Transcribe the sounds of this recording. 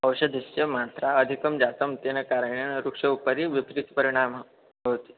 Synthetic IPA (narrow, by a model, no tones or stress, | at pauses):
əwɕəd̪ʱist͡ɕəmat̪ɾaəd̪ʱikəmd͡ʑat̪əmt̪enəkaɾəɽ̃enɾukʂɐupəɾiʋipɾit̪pəɾiɽ̃am | ɦot̪i̥